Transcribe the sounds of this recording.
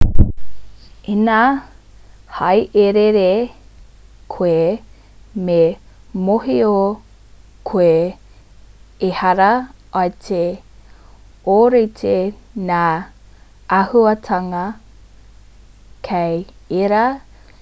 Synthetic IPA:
ina | hɐjʔeɾeɾe | kʰoe | me | moɦio | kʰoe | hɐɾɐɐtʰe | oɾetʰenaː | ɐhuɐtʰɐŋɐ | kʰejeɾa

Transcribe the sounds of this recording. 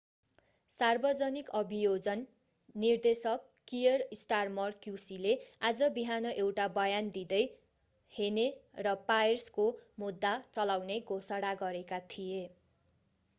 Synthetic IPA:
sarbʌd͡zʌnikʌbijod͡zʌnː | ird̪esʌkːijʌrisʈarmʌrkjusilead͡zʌbiɦanʌʔewʈabʌjand̪id̪ʌj | henerʌpajrskomud̪ːat͡sʌlawneɡʱosʌɽaɡʌɾekat̪ʰije

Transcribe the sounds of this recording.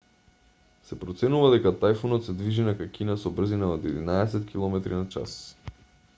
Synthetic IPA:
sɛpɾɔt̪sɛnuvad̪ɛkat̪ajfɔnɔt̪sɛd̪viʒinakakinasɔbr̩zinaod̪ɛd̪inaɛsɛt̪kʰilˠɔmɛt̪ɾinat͡ʃa̰s

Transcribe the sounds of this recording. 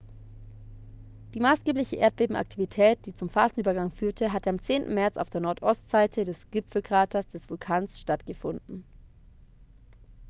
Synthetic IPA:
d̥iːmaːsɡ̥eːplɪçəʔeːɐt̚b̥eːbm̩ʔa̰k̚tʰivitʰɛːt̚d̥iːt͡sʊmfaːzn̩ʔyːbɐɡaŋfyːɐtʰəɦatəamt͡seːntn̩mɛɐt͡sa̰ʊfd̥eːɐnɔɐtʔɔstz̥aɪtʰədɛsɡ̥ɪpp͡fl̩kʁ̥aːtʰɐsd̥ɛsv̥ʊlkʰaːnsʃtatɡ̥əfʊndn̩

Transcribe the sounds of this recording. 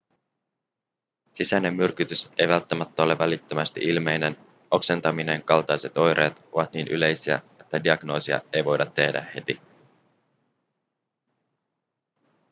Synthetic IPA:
sisæne̞mːyrk̟yt̪yse̞jʋælt̪ːæmæt̪ːæole̞ʋælit̪ːømæst̪iʔilme̞jne̞n | o̞kse̞nt̪ɑmine̞ŋkɑlt̪ɑjse̞t̪o̞jɾe̞ːt̪o̞ʋɑt̪niːnʔyle̞jsiæ̰ | e̞t̪ːædiɑɡno̞ːsiɑ̰e̞jʋo̞jdɑt̪ːe̞hdæ̰he̞t̪i

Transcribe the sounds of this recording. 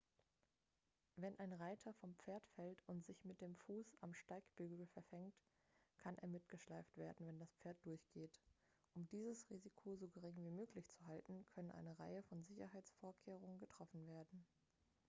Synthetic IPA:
vɛnʔaɪnʁaɪtʰɐfɔmpp͡feːɐtfɛltʊntz̥ɪçmɪt̚d̥eːmfuːsa̰mʃtaɪkb̥yːɡl̩fɛɐfɛŋt | kʰanʔḛːɐmɪtɡ̥əʃlaɪftv̥eːɐdn̩vɛndaspp͡feːɐt̚d̥ʊɐçɡ̥eːt | ʔʊmdiːzəsʁiːzikʰozoːɡəʁɪŋviːmøːklɪçt͡suɦaltn̩kʰœnənʔa̰ɪnəʁa̰ɪəfɔnzɪçɐɦaɪt͡sfoːɐkʰeːʁ̞ʊŋənɡətʁ̥ɔfn̩veːɐdn̩

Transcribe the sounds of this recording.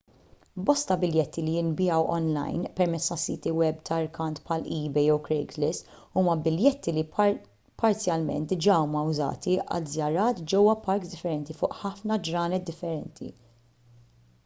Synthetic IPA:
bɔst̪ɐbɪljɛt̪ːilijɪnbɪɐwʔɔ̰nlɐ̰jnpɛɾmɛtt͡sːt̪ɐsiːt̪iwɛbt̪ɐɾkɐnt̪pħɐliːbɛjɔwkɾɛɡlɪsuːmɐbɪljɛt̪ːili | pɐɾt͡sjɐlmɛ̰nt̪̚d̪ɪd͡ʒɐuːmɐʊzɐ̰ːt̪iɐ̰lzjɐɾɐːt̪d͡ʒɛwːɐpɐɾkzd̪ɪfːɛɾɛnt̪ifʊːʔħɐfnɐd͡ʒɾɐːnɛt̪̚d̪ɪfːɛɾɛnt̪ʰḭ

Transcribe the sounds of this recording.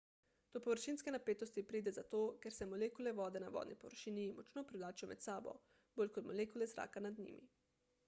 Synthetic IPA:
d̪̥ɔpɔʋəɾʃiːnskɛnapeːt̪ɔst̪ipɾiːd̪ɛzat̪oːkɛɾsɛmɔleːkulɛʋɔːd̪ɛnaʋɔ̰ːd̪nʔipɔʋəɾʃiːnimɔt͡ʃnoːpɾiʋlaːt͡ʃijɔmɛ̰t̪saːbɔ̰ | boːlʲkɔt̪mɔleːkulɛzɾa̰ːkanad̪nḭːmḭ

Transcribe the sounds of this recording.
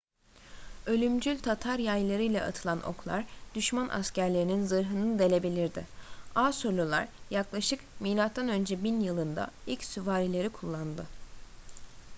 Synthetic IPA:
ø̞lʲymd͡ʒylʲt̪ʰat̪ʰaɾjajlˠaɾɯjlʲɛʔa̰t̪ʰɯlˠanʔo̞̰klˠa̰ɾd̪̥yʃmanʔa̰scæɾlʲe̞ɾininzɯɾɦɯnɯd̪e̞lʲe̞bilʲiɾd̪ɪaːsolʲulˠa̰ɾjaklˠaʃɯkmijlʲˠat̪ːanø̞nd͡ʒɛbinjɯlˠɯnd̪a̰ilʲcsyvaːɾilʲe̞ɾikʰulˠːand̪ɯ

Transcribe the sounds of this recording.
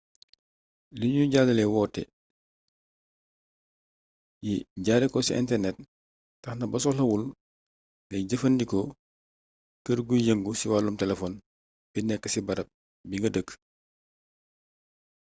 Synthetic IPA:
liɲuɟaːdɐlɛwɔːtːɛ̰ | jiɟaːɾɛkɔsiʔɛ̰ntɛrnɛt̚ː | ɐxnɐbɐs̬ɔlɐwul | nɛɟəfɐndikɔ | kəɾɡujɐŋɡusiwaːlumtɛlɛfɔn | b̥inɛkːəsibɐɾɐp̚ | biŋɡɐdək

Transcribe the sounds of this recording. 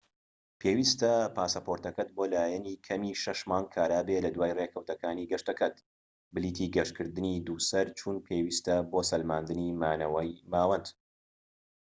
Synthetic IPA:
pʰeːwiːst̪ɐpʰaːsɐpʰoɾt̪ɐkɐt̪̚boːlaːjɛniːkʰɐmiːʃɐʃmaːnkʰaːɾaːbelɐd̪waːjreːkʰɐwt̪ɐkaːniːɡɐʃt̪ɐkʰɐt̪ | bɨliːt̪ʰiːɡɐʃtkʰɨɾd̪ɨnid̪uːsɐɾt͡ʃʰuːnpʰeːwiːst̪ɐboːsɐlmaːnd̪ɨnimaːnɐwɐjmaːwɐnd̪

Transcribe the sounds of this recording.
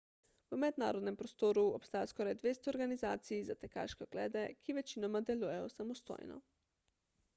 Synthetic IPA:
pəmɛd̪na̰ːɾɔd̪nɛmpɾɔst̪oːɾuɔpst̪aːjaskɔːɾajd̪ʋeːst̪ɔːɾɡanizaːt̪sijizat̪ɛka̰ʃkɛoɡ̥lɛ̰ːd̪ɛkiʋɛt͡ʃinɔmad̪ɛluːjɛjɔsamɔst̪o̰ːjnɔ̰

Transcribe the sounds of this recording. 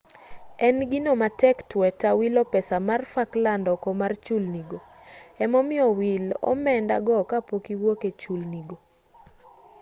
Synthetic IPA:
ɛnɡinomatɛktwɛtawilɔpɛsamarfaklandɔkɔmart͡ʃulniɡo | ɛmɔmɪɔwilɔ̰mɛnda̰ɡɔkapokiwoket͡ʃulniɡo

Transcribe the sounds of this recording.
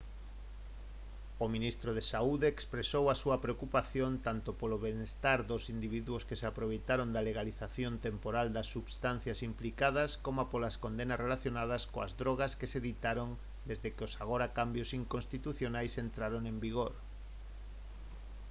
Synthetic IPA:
omĩnist̪ɾoð̞esauðeːkspɾesowasuɐpɾeokupaθjont̪ant̪opoloβenest̪aɾðosind̪iβ̞iðuoskeseapɾoβ̞ejt̪aɾond̪aleɣaliθaθjont̪empoɾald̪asːuβst̪an̟θjasimplikað̞ɐskomapolaskond̪enasrelaθjonað̞ɐskoa̰zðɾoɣ̞askeseðit̪aɾon | d̪ezðekeosaɣoɾakambjosiŋkonst̪it̪uθjonajsent̪ɾaɾoŋẽmbiɣ̞oɾ

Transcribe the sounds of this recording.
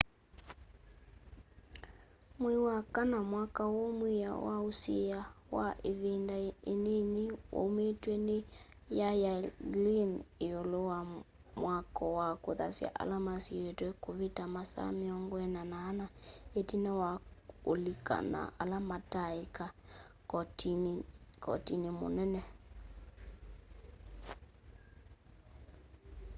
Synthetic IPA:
mwiwakanamwakawɔmwija̰wausiawaʔeβindaenenewo̰metwɛne | jajalineɔlɔwa | mwakɔwakoða̰sja̰ʔa̰lamasietwɛkoβetamasa̰meɔŋɡwɛnanaːnaetinɛwaolika̰na̰alamataika | kɔt | kɔ̰tinemo̰nɛnɛ

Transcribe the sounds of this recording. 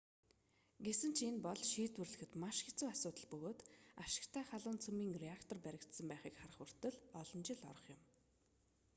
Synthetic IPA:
ɡesɘ̆n̥t͡ɕʰenpɔɮʃiːt̪wɘ̆rɮɘ̆xɘ̆t̪maʃxet͡suːasʊːt̪ə̆ɮpɵɣoːt̪aʃɪ̥̆kt̪ʰæːχaɮʊːnt͡sʰɵmiːŋreakt̪ʰɔrpæɾʲɪ̆kt̪sə̆mpæːχiːkχarəχɵr̥t̪ə̆ɮɔɮɞ̆nt͡ɕɪ̆ɮɔ̰ɾɞ̆χjʊ̆m

